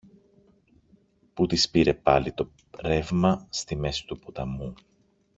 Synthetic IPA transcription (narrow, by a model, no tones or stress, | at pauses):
put̪ispiɾe̞pɐlit̪o̞ | ɾe̞vmɐst̪ime̞si̥t̪upot̪ɐmu